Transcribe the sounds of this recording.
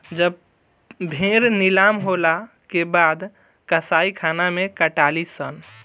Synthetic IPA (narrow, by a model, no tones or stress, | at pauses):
d͡ʒəb | bʱẽɾnilamɦola | kebad̪ | kəsaikʰanamekəʈalisən